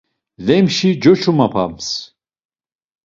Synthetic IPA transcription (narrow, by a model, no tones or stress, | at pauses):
lɛmʃid͡ʒɔt͡ʃʰumapʰa̰ms